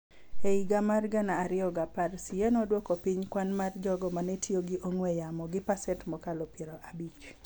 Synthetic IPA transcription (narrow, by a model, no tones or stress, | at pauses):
eiɡamarɡanaːɾɪɔɡaparsianɔdwɔkɔpiɲkwanmard͡ʒɔɡɔmanɛtʰjoɡiʔoŋwɛjamɔɡɪpasɛtmɔkalɔpjeɾɔʔabit͡ʃ